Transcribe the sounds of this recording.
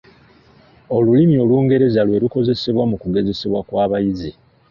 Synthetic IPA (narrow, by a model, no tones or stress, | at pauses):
o̞lulimio̞lwuːŋɡe̞ɾe̞zalwe̞luko̞ze̞se̞βwamukuɡe̞ze̞se̞βwakwaːβajize